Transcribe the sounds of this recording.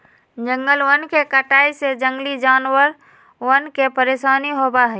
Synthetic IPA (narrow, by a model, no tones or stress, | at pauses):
d͡ʒə̃ŋɡəlwənkekəʈaːised͡ʒə̃ŋɡlid͡ʒaːnwəɾ | wənkepəɾeːsaːniɦoːbaɦɛ